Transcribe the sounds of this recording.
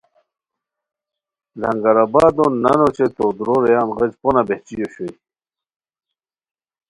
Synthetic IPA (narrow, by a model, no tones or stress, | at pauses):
lɐ̰ŋɡaɾabaːd̪onanot͡ɕet̪od̪ɾoɾejaːnʁəd͡ʑponabeht͡ɕijoɕoj